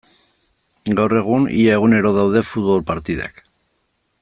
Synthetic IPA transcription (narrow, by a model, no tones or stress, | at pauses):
ɡawre̞ɣ̞unḭae̞ɣune̞ɾo̞ðawðe̞fut̪βo̞lpaɾt̪iða̰k